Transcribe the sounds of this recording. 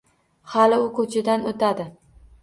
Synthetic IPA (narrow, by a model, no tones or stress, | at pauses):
halɪʊkʰɵt͡ʃʰɪd̪anot̪ʰad̪ɪ